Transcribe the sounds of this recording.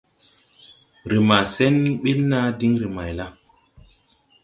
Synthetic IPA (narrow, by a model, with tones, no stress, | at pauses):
ɾe˨ma˨sɛ˦n˦ɓe˦lna˦di˦ŋɾe˨ma˨jla˦